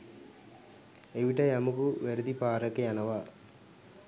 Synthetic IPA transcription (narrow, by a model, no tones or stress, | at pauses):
eʋiʈɐjɐmukuʋeɾud̪ipaːɾɐkːeɐnɐʋa